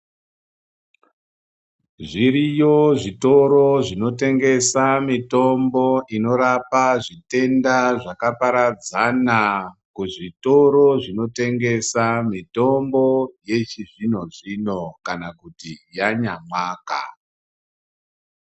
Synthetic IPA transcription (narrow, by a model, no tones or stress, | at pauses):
ʐiɾijo̞ʐito̞ɾo̞ʐino̞te̞ŋɡe̞samito̞mbo̞ino̞ɾapaʐite̞ndaʐakapaɾad͡zanakuʐito̞ɾo̞ʐino̞te̞ŋɡe̞samito̞mbo̞je̞t͡ʃiʐino̞ʐino̞kanakutijaɲamwaːka̰